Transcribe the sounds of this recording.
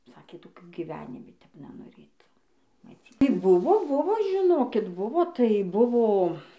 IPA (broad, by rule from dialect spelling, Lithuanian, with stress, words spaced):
ˈsɑːkʲeː toːˈkʲuː ɡʲiːˈʋʲæːnʲɪmʲɪ tʲɛp nʲɛnoːˈrʲeːt mɐˈt͡sʲiː ˈtɐɪ ˈbʊʋoː ˈbʊʋoː ʒʲɪˈnoːkʲɪt ˈbʊʋoː tɐɪ ˈbʊʋoː